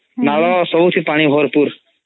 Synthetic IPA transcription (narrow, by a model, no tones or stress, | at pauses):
naːlɔsɔbut̪ʰipaːɽ̃iɦoːɾpuɾ